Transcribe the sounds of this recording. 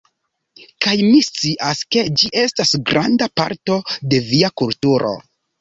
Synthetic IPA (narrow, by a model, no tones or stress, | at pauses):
kajmist͡siʔaske̞d͡ʒiʔe̞stasɡɾʔandapa̰ɾto̞de̞viakultuɾʔo̞̰